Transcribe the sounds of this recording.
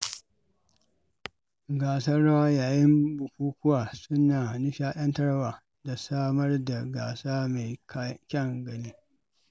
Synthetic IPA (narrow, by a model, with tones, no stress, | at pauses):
ɡaː˨sɐː˦a˦waː˦jaː˨jɪ˦mbʊ˨kʷuː˦kʊ˦waː˨sʊ˦naː˨ni˦ʃaː˦ʔɐ˦ntɐ˦ɽwaː˨ | da˨saː˦mɐ˦rda˨ɡaː˨saː˦me˨kʲɛ˦˨ŋɡɐ˨ni˦